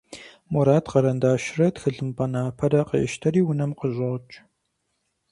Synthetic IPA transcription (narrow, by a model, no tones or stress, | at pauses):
mɔɾaːtqɐɾɐndaːʃrɐtxɨɮɨmpʼɐnaːpʰɐɾɐqə̰ʔɪ̰ʃtʰɐɾiːwʊnɐmqəʑʷʼɐʁt͡ʃʼ